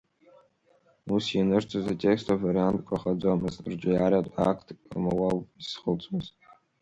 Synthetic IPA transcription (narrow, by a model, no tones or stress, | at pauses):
usinɨrt͡ʃʷʰazatʲʼekstʰʼavaɾiantʼkʷʼaχad͡zamɨztrd͡ʒʷɪjaɾatʷʼakʰtʰkʼmawawʼisχəlt͡sʼmɨz